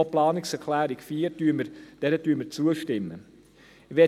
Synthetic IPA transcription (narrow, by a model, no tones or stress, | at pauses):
oplɑːnɪksɛkʰlæːɾikfiːɾtyːməɾd̥ɛɾətyəməɾt͡suəʃtɪmːə | ʋɛ